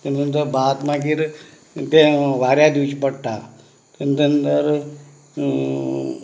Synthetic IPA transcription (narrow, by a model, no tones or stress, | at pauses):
t̪end̪ənt̪əɾbaːt̪mãɡiɾ | t̪ẽʋaːɾjad̪iʋt͡ʃpəɽʈ̪a | t̪end̪əənt̪əɾ